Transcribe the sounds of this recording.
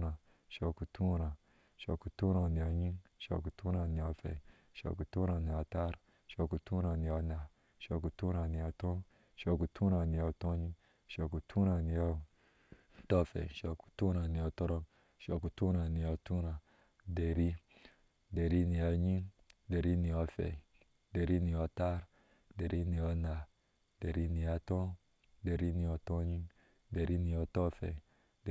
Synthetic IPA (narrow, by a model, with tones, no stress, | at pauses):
a˨ | ʃo˨ku˨tu˦ɾa˨ | ʃo̰˨ku˨tu˦ɾa˨ni˨a˨ɲi˦ŋʃo̰˨ku˨tu˦ɾa˨ni˨a˨fḛ˨ | ʃo̰˨ku˨tu˦ɾa˨ni˨a˨ta˦ɾ | ʃo˦ku˨tu˦ɾa˨ni˨a˨˦na˨ | ʃo˨ku˨tu˦ɾa˨ni˨ja˨to˦ | ʃo˨ku˨tu˦ɾa˨ni˨a˨to˦ɲi˦ | ʃo˨ku˨tʰu˦ɾa˨ni˨ja˦˨ | to˦fḛ˨ʃo˨ku̥˨tu˦ɾa˨n˨ja˨to˦ɾo˦m | ʃɔ˨ku˨tu˦ɾa˨ni˨o˧˨tu˦ɾa˨ | de˨ɾi˦ | de˨ɾi˦ni˨ja˧ɲi˦de˨ɾi˦ni˨ɔ˧fḛ˨ | de˨ɾi˦ni˨jɔ˧ta˦ɾ | de˨ɾʔi˦ni˨jɔ˧na˨ | de˨ɾi˦ni˨ja˧tɔ̃˦ | de˨ɾi˦ni˨jo˧tɔ̃˦ɲi˦ | de˨ɾi˦ni˨ɔ˧tɔ˦fḛ˨ | d